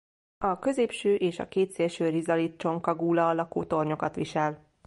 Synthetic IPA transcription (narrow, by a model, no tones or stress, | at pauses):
ɒkø̞zeːpʃøːʔeːʃɒ̰keːt̪seːlʃøːrizɒlit̪̚t͡ʃo̞ŋkɒɡuːlɒlɒko̰ːt̪o̞rɲo̞kɒt̪ʋiʃɛl